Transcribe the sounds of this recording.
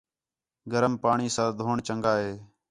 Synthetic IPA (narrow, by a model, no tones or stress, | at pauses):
ɡəɾəmpaːɳiːsãːd̪ʱoːɳt͡ʃəŋɡaːɦeː